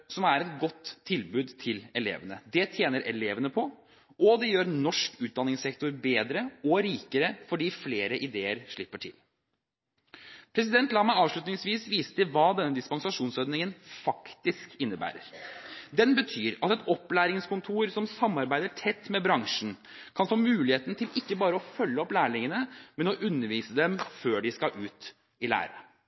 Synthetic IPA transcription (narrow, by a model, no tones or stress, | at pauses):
sɔmæɾɛt̪ɡɔt̪ʰːɪlbʉːd̪t̪ʰɪlɛlḛːʋənəd̪ɛt̪ʰjeːnəɾʔɛleːʋənəpʰɔ | ʔɔd̪ɛjøːɾnɔʂkʉːt̪̚d̪ɑnːɪŋsɛkt̪ʊɾbeːd̪ɾəɔɾiːkəɾəfɔɖiːfleːɾəʔɪd̪eːəɾʂɭɪpːəʈʰɪl | pʰɾɛs̬ɪd̪ɛnt̪lɑːmæɑːʋʂɭʉt̪nɪŋsʋiːsʋiːsə̥t̪ʰəʋɑːd̪ɛnːəd̪ɪspɑŋsɑʂuːnsɔɾd̪nɪŋənfɑkt̪ɪskɪnːəbæ̰ːɾə̰ɾd̪ɛnbət̪ʰyːɾɑt̪ɛt̪ɔpːlæːɾɪŋskʊnt̪ʰuːɾsɔmsɑmːɑɾbæɪd̪əʈʰɛt̪ːmɛbɾɑŋʂn̩ | kʰɑnfɔːmmʉːlɪheːt̪nt̪ʰɪlɪkːəbɑːɾəɔfœlːəɔplæːɭɪŋənəmɛnɔʔʉnːəɾʋiːsəd̪ɛmføːɖɪskɑʔʉːt̪ | ɪlæ̰ːɾə